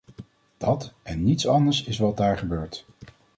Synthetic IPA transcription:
d̥ɑtɛnːitsɑndəɹsɪsʋɑt̚daːɹχəbøːɹt

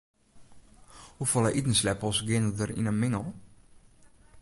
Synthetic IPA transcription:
hufɔlˠɛjʔitən̩slɛpɔsɡɪnədəɾḭnəmɪŋəlˠ

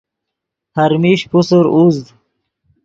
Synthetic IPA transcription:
hɐɾmiːɕpusuɾuzd̪

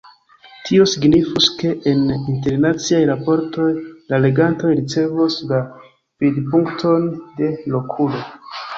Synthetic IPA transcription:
tʰio̞siɡnifuske̞ʔːninte̞ɾnat͡siajɾapo̞ɾto̞jlale̞ɡanto̞jɾit͡se̞vusla | pidpuŋktʰo̞nde̞lo̞kʰulo̞

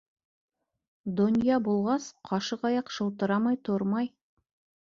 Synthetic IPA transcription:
d̪onʲijɑbulˠʁɑsqʰɑʃɤqɑjɑqʃɤ̆w̪ˠt̪ɤ̆ɾɑmɑjt̪ʰoɾmɑj

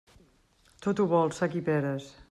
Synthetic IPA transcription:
t̪ot̪uβɔlˠsakipɛɾəs

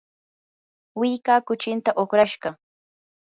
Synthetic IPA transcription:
wɪjkaːkʊt͡ʃɪnt̪aʔoχɾaʃɢɑ

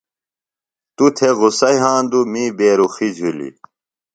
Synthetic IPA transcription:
t̪ut̪ʰeɣusɐjɦãːnd̪umiːbeːɾuxid͡ʑʱulḭ

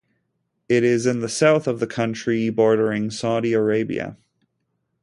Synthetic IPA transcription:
ɪɾɪzɨ̃nðɨsaʊθʌvðɨkʰʌ̃nt͡ʃɹ̥ibɔɹɾə˞ɪ̃ŋsaʊɾiə˞eɪbḭɨ̰

